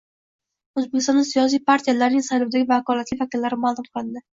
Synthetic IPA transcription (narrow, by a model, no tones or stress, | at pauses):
ɵzbekʲɪst̪ɒnasijɒs̬ijpʰaɾt̪ʰijalaɾnɪŋsajlɒwd̪aɡʲɪvakɒlat̪lɪvakʲɪlːaɾɪmalˠʊmqʰɨlˠɪnd̪ɪ